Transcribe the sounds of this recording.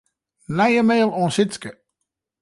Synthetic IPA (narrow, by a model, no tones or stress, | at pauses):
najəmeːlˠɔ̃ːnsɪtskə